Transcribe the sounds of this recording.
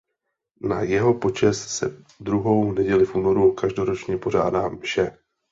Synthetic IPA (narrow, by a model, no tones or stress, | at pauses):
najɛɦo̞po̞t͡ʃɛssɛ̰ | dɾuɦo̞wnɛɟɛlɪfʔuːno̞ɾukaʒdo̞ɾo̞t͡ʃɲɛpo̞ʒ̝aːdaːfʃɛ